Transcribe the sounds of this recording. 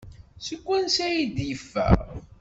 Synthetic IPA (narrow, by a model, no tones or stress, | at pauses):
səkʷːænsæjid̪jəfːæ̰ɾ